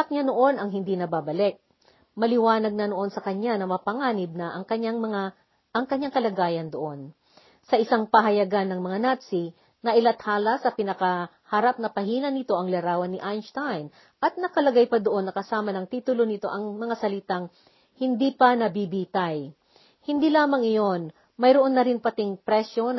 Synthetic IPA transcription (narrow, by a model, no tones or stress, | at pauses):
ɐk̚ɲanoʔo̞nɐŋɦɪnd̪inɐbabɐlɛk̚ | mɐlɪwaːnɐɡ̚nɐnoʔo̞nsɐkɐɲːanɐmɐpɐŋaːnɪb̚nɐʔɐŋkɐɲaŋmɐŋa | ʔɐŋkɐɲːaŋkɐlɐɡaːjɐnd̪oʔo̞n | sɐʔɪsaŋpɐɦɐjɐɡanːɐŋmɐŋanat̪si | nɐʔɪlɐt̪haːlɐsɐpɪnɐkɐ | hɐɾap̚nɐpɐhiːnɐnɪt̪o̞ʔɐŋlɐɾaːwɐnːɪʔajnst̪ajn | ʔɐt̪̚nɐkɐlɐɡajpɐd̪oʔo̞nːɐkɐsaːmɐnɐŋt̪iːt̪ʊlonɪt̪o̞ʔɐŋmɐŋasɐlɪt̪aŋ | hɪnd̪ipɐnɐbibit̪aj | hɪnd̪iːlaːmɐŋɪjo̞n | mɐjɾoʔo̞nːɐɾɪnpɐt̪ɪŋpɾɛʃjo̞n